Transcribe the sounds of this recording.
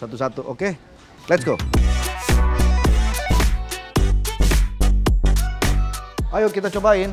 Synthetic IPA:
sat̪usat̪uʔo̰ke | lɛtsɡo | ajokit̪̬at͡ʃɔbain

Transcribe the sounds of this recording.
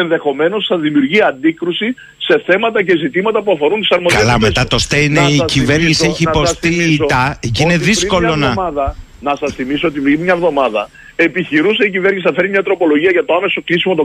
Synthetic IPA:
enðexo̞me̞no̞sθɐzðimiuɾʝiɐnd̪ikɾusi | se̞θe̞mɐt̪ɐce̞zit̪imɐt̪ɐpuɐfo̞ɾunt̪i̥sɐɾmoðkɐelɐmest̪ɐt̪o̞st̪eineiciveɾɲisieçiposst̪it̪ɐcineðisko̞lonɐɐðɐ | nɐsɐsθimisoot̪ivɾimɲɐvðo̞mɐðɐ | e̞piçiɾus̬eicive̞ɾɲisiθɐfeɾimɲɐt̪ɾo̞po̞lo̞ʝiɐʝɐt̪oame̞so̞klisimo̞t̪o

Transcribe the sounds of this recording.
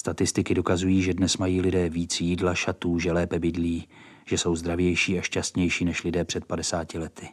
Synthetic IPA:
st̪at̪ɪst̪ɪkɪdo̞kazujiːʒɛdnɛsmajiːlɪdɛːviːt͡sjiːdlaʃat̪uːʒɛlɛːpɛbɪdliː | ʒ̥ɛso̞wzd̪ɾavjɛjʃiːaʃcast̪ɲɛjʃiːnɛʃlɪdɛːpr̥ɛt̪̚padɛsaːcɪlɛt̪ɪ

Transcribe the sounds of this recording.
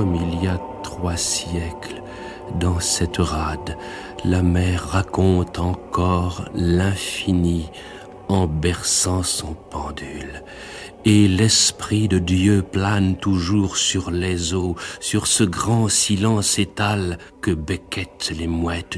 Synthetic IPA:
kɔmilijat̪χwasjɛkl | d̪ɑ̃sɛt̪əʁad̪ | lamɛʁːakɔ̃t̪ɑ̃kɔʁlɛ̃fini | ɑ̃bɛʁsɑ̃sɔ̃pɑ̃d̪yl | elɛspχid̪əd̪jøplant̪uʒuʁsyʁlezosyʁsəɡʁɑ̃silɑ̃set̪al | kəbekʲɛt̪lemwɛt̪

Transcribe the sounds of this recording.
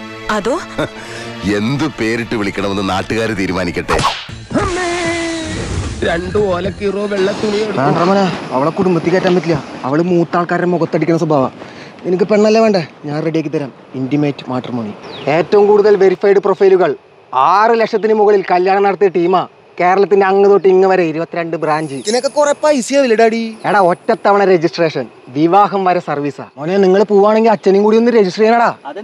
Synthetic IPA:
ɐðo | e̞nd̪ɨpe̞ːɾiʈːɨʋiɭikʲːɐɳɐmenːɨnaːʈːuɣaːɾɨt̪iːɾumaːnikʲːɐʈːḛ | ɐme | ɾeɳɖɨoːlɐkːiroːʋeɭːɐt̪ːulijeːʋeːɳɖrɐmɐːnaɐʋɐɭekːuɽumbɐt̪ːikʲːaːtːaːmbɐtːilːɐɐʋɐɭmuːt̪ːaːɭkaːɾɾɐmːoɣɐt̪ːɐɽikʲːunːɐs̬uɐbʱaːʋɐ̰ninukːɨpeɳːɐɐlːɐʋe̞ːɳɖɨɲaːnreɽijekːit̪̬ːɐɾaːm | indimeːtːɨmaːʈːɐrmoɳḭe̞ːtːɐʋumkuːɽuðɐlʋe̞ɾifɐjɽɨprofɐjluɣɐɭ | aːrɨlekʂɐt̪̬ːinɨmuɣɐɭilkɐljaːɳɐnɐɽɐt̪̬ːijɐʈiːma | ke̞ːɾɐɭɐt̪ːindeɐŋːɐðo̞ːʈːiiŋːɨʋɐɾɐiɾubɐt̪ːiɾeɳɖɨbraːɲd͡ʑɨinɐkːekurɐpːaːisijɐʋilːɐɽaːɽieːɽɐotːɐt̪ːɐʋɐɳɐɾed͡ʑisʈre̞ːʂɐn | ʋiʋaːɦɐmʋɐɾɐsɐrʋiːsa̰monːeniŋːɐɭpuːʋaːɳeŋɡilɐt͡ɕːɐnimkuːɽijonːɨɾe̞d͡ʑisʈreːʂɐnɐːɽaː

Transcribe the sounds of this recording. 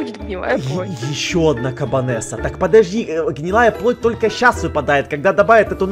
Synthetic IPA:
t̪pʲɪa̰jɪɕːoɐd̪nakɐbɐnɛsət̪akpəd̪ɐʐdʲiɡnʲɪlˠajəplˠo̞t̚ʲt̪o̞lʲkəɕːasvɨpɐd̪ajɪt̪̚kɐɡ̚d̪ad̪ɐbavʲɪt̪ɛt̪ʊ

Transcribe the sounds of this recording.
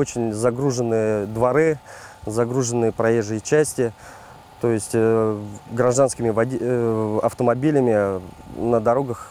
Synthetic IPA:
ot͡ɕɪnʲzɐɡɾuʐɨnːɨjəd̪vɐɾɨzɐɡɾuʐɨnːɨjəpɾɐjeʐːɨjt͡ɕæsʲtʲɪ | t̪o̞jɪsʲtʲ | ɡɾɐʐd̪anskʲɪmʲɪvɐ | ɐft̪əmɐbʲilʲɪmʲɪ | nəd̪ɐɾo̞ɡəx

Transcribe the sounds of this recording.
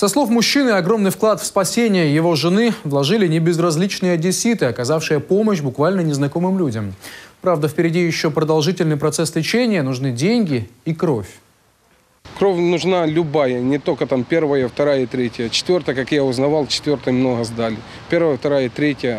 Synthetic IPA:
sɐslˠo̞fmʊɕːinɨɐɡɾo̞mnɨjfklˠat̪fspɐsʲenʲɪjəjɪvo̞ʐɨnɨvlˠɐʐɨlʲɪnʲɪbʲɪzrɐzʲlʲit͡ɕnɨjədʲɪsʲit̪ɨɐkɐzafʂɨjəpo̞məɕ̬bʊkvalʲnənʲɪznɐko̞mɨmlʲudʲəmpɾavd̪əfʲpʲɪɾʲɪdʲijɪɕːopɾəd̪ɐlˠʐɨtʲɪlʲnɨjpɾɐt̪sɛslʲɪt͡ɕenʲɪjənʊʐnɨdʲenʲɡʲɪikɾofʲ | kɾofʲnʊʐnalʲʊbajənʲɪt̪olʲkət̪ampʲervəjəft̪ɐɾajəit̪ɾʲetʲɪjət͡ɕɪ̥t̪vʲort̪əjəkakjaʊznɐvalˠt͡ɕɪ̥t̪vʲort̪əjmnoɦəzd̪alʲɪ | pʲervəjəft̪ɐɾajət̪ɾʲetʲjə

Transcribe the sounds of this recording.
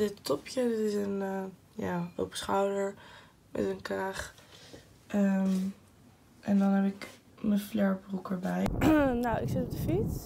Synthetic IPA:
dɪttɔpʰjədɪtɪsənə | ja̰ːo̰wpə̥sχawdəɹ | mɛ̰tənkraːχ | ʔəm | ʔɛndɑnɦɛpɪk | mənflɛɹbrukəɹbɛjnawɪksɪtɔp̚dəfits

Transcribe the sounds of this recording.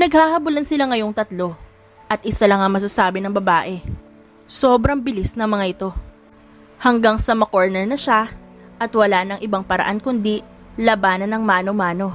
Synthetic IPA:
nɐɡ̚hahɐbʊlɐnsɪlaŋɐjo̞ŋt̪ɐt̪lo̞ | ʔɐt̪̚ʔɪsalɐŋɐŋmɐs̬asaːbɪnɐŋbɐbaːʔɛ | so̞ːbɾɐŋbɪlisnɐŋmɐŋaʔɪt̪o̞ | hɐŋɡaŋsɐmɐkoɹnɛɹnɐʃa | ʔɐt̪wɐlanɐŋʔɪbaŋpɐɾɐ̰ʔankʊnd̪ilɐbaːnɐnɐŋmaːnomaːno̞

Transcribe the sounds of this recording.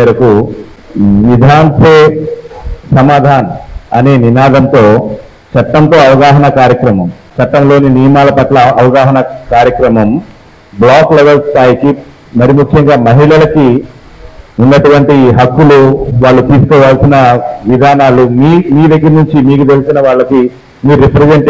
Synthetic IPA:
eɾɐku | ʋid̪ʱaːnseː | sɐmaːd̪ʱaːnɐɐne̞ːninaːd̪ɐnt̪o̞ː | t͡ʃɐt̪ːɐmt̪o̞ːɐʋɐɡaːɦɐnɐkaːɾjɐkɾɐmɐmt͡ʃɐt̪ːɐmlo̞ːninijɐmaːlɐpɐʈlɐɐʋɐɡaːɦɐnɐkaːɾjɐkɾɐmɐm | blaːkleʋelst̪aːjiki | mɐɾimukʰjɐŋɡaːmɐɦiɭɐlɐki | unːɐʈuʋɐɳʈiɦɐkːuluʋaːɭːut̪iːsu̥kɔːʋaːlɐsinɐʋid̪ʱaːnaːlumiːmiːʋ̪eɡinuɲt͡ʃimiːkut̪e̞lisinɐʋaːɭːɐki | miːɾipɾed͡ʒeɳʈ

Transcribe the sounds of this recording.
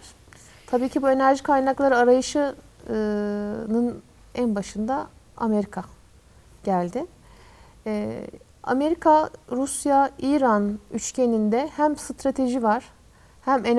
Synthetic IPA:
t̪ʰabiːcʰibue̞næɾʒikʰajnaklˠaɾɯaɾajɯʃɯ | nɯn | ænbaʃɯnd̪a | a̰me̞ɾikʰa | ɟ̥ælʲd̪ɪ | a̰me̞ɾikʰaɾusjaiɾanyt͡ʃcʰe̞nind̪ɛhæmst̪ɾat̪ʰe̞ʒivaɾ̥ | hæmen

